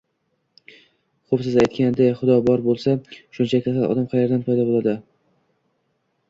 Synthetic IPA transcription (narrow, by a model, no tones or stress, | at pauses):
χopsɪzajt̪kʲand̪ajχʊd̪ɒbɒɾbolˠsaʃʊnt͡ʃʰak̪ʲʰasalˠɒ̰d̪amqʰajaɾd̪anpʰajd̪ɒbolˠad̪ɪ